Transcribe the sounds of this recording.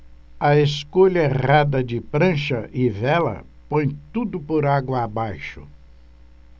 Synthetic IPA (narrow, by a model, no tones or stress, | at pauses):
ɐeskoʎɐeʁad̪ɐd͡ʒɪpɾɐ̃ʃɐʔɪvɛlɐ̰ | põj̃t̪ud̪ʊpoɾaɡwɐːbajʃʊ̰